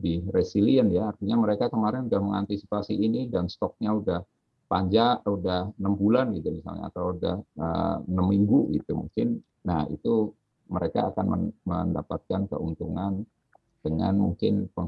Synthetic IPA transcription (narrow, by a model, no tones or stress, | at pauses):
diresiliənjaːrt̪iɲaməɾekakəmaɾɪnudahməŋa̰nt̪isi̥pasiːnidanst̪ɔk̚ɲaudah | paɲd͡ʒaʔudahnəmbulanɡit̪umisa̰lɲa̰a̰t̪awuda̰hə̰nəmːiŋɡuɡḭt̪umṵŋkɪn | nahḭt̪u | məɾeka̰ːkanmə̰məndapat̪̚kankə̰unt̪uŋan | d̥əŋa̰nmṵŋkɪnpəŋ